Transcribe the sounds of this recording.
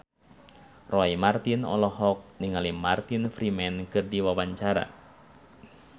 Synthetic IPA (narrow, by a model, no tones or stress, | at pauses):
rɔimart̪inɔ̰lɔɦɔk̚niŋalimart̪infɾimɛnkɨrdiwawaɲt͡ʃaɾa̰